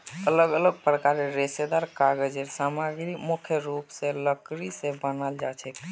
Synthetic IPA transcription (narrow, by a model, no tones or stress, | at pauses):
ələɡələɡ̚pɾəkaɾeɾesed̪aɾkaɡed͡ʒeɾsamaɡɾikmukʰjəɾupsẽləkɾisẽbənald͡ʒat͡ʃʰɛk